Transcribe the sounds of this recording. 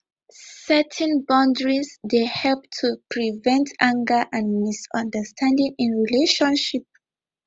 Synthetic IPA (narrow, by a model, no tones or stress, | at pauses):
sɛtʰɛ̃nbãndɹisdehɛlp̚tʰupʰɹivɛ̃ntãŋɡə˞ʔãnmisʌ̃ndəstʰãndĩŋĩnɹileʃɔ̃nʃip̚